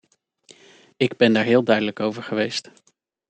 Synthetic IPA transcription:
ɪɡbɛndaːɹɦɪːlˠdœɥdələkowvəɹχəʋejst

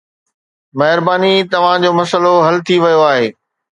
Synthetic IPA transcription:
mɐɦɪɾbaːnit̪ɐʋ̤ãd͡ʑoːmɐsəloɦɐlt̪ʰiʋɐjoaːɦeː

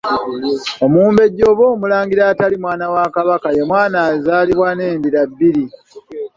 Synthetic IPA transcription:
o̞muːmbe̞ɟːo̞ːβo̞ːmulaːŋɡiɾaːtalimwaːnawakaβakajemwaːnazaːliβwane̞ːmbiɾabːiɾi

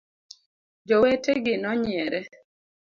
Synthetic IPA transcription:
d͡ʒɔweteɡɪnɔɲɪɛɾɛ

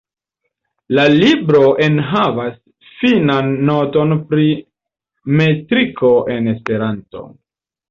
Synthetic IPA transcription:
lalibɾo̞ʔe̞nɦavas | finanːo̞to̞npɾi | me̞tɾikʰo̞ʔe̞ne̞spe̞ɾanto̞̰

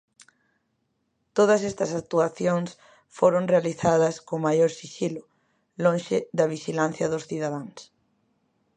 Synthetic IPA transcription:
t̪oð̞ɐsɛst̪ɐsak̚t̪uaθjoŋs | foɾoŋrealiθaðɐskomajoɾsiʃilʊ | lõnʃɪðɐβiʃilan̟θjɐðʊsθiðaðaŋs

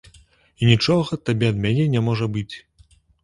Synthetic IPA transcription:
inʲit͡ʂɔɣɐt̪abʲɛɐd̪mʲanʲɛnʲɛmɔʐɐbɨt͡sʲ

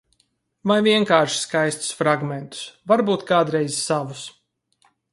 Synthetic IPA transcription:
vajviɛŋkaːɾʃi̥skajst̪u̥sfɾaɡmʲent̪u̥svaɾbuːt̪kaːd̪ɾɛjzsavus

